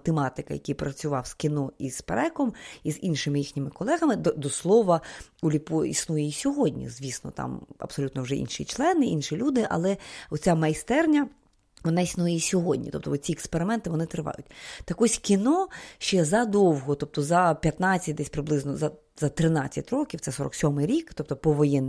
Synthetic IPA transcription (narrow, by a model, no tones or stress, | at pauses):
t̪emɑt̪ɪkɐjɐ̰kʲijpɾɐt͡sʲʊʋɑwskʲɪnɔispeɾɛkɔmizinʃɪmɪjixnʲɪmɪkɔlˠɛɦɐmɪd̪ɔd̪ɔslˠɔʋɐulʲipɔḭsnujɛisʲɔɦɔdʲnʲḭzʋʲisnɔ̰t̪ɑ̰mɐ̰b̥sɔlʲut̪nɔwʒɛ̰ʔḭnʃḭt͡ʃlˠɛnɪʔinʃilʲud̪ɪʔɐ̰lˠɛɔt̪t͡sʲamɐjst̪ɛrnʲɐ | ʋɔnɑisnujɛjisʲɔɦɔdʲnʲḭt̪ɔp̚t̪ɔɔt̪ʲt͡sʲiɛkspeɾɪmɛnt̪ɪʋɔnɪt̪ɾɪʋɑ̰jʊtʲt̪ɐkɔsʲkʲinɔʃt͡ʃɛzɐd̪ɔwɦɔt̪ɔp̚t̪ɔzɐpʲjɐt̪nɑt͡sʲːɐt̚ʲd̪ɛsʲpɾɪblˠɪznɔzɐ | zɐt̪ɾɪnat͡sʲːɐ̰tʲɾɔkʲiwt̪sɛsɔɾɔ̰ksʲɔmɪɾʲikt̪ɔp̚t̪ɔpɔʋɔjɛnː